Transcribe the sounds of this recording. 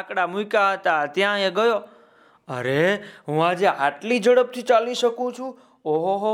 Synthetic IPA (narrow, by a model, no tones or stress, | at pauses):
akɽamuikaɦət̪at̪jãɦẽɡəjo | ə̰ɾeɦũad͡ʒeaʈlid͡ʒəɽəb̚t̪ʰit͡ʃaliʃəkũt͡ʃʰũ | oɦoɦo